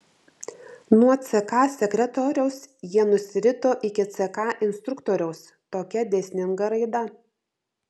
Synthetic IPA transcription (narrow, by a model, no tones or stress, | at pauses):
nuɔt̪sʲɛkɑːsʲɛkʲɾʲɛt̪ɔɾʲɛʊsjiɛnʊsʲɪɾʲɪt̪oːʔɪkʲɪt̪sʲɛkɑːʔɪnst̪ɾʊkt̪oːɾʲɛʊs | t̪oːkʲɛd̪ʲɛːsʲnʲɪŋɡɐɾɐɪd̪ɐ